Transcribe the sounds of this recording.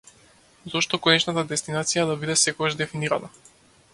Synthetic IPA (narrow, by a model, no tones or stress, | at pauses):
zɔʃt̪ɔkoɔnɛt͡ʃnat̪ad̪ɛst̪inat̪sijad̪abid̪ɛsɛkoɡaʒd̪ɛfiniɾana